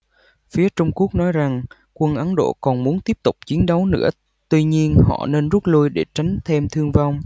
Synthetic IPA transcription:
fi˨˦ət͡ɕʊ˧wŋ͡mku˦˥ək̚nɔ˨˦jza˨˩ŋ | kwə˧nʔə˨˦nɗo̰˧˨kɔ˨˩nmu˨˦nt̪i˦˥əp̚t̪ʊ˨˩k͡p̚t͡ɕi˨˦ənɗə˨˦wnɨ̰˧˥ə | t̪wi˧ɲi˧ənhɔ̰˧˨ne˧nzu˦˥t̚lu˧jɗe˧˩t͡ɕa˨˦jŋ̟t̪ʰe˧mt̪ʰɨ˧əŋva˧wŋ͡m

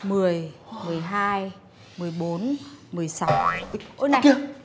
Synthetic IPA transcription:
mɨ˨˩əjmɨ˨˩əjɦaː˧j | mɨ˨˩əjɓo˨˦nmɨ˨˩əjsa˨˦wʔo˧˦na˨˩˧

